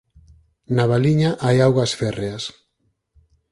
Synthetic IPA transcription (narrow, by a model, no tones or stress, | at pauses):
naβaliɲaʔajawɣasfereas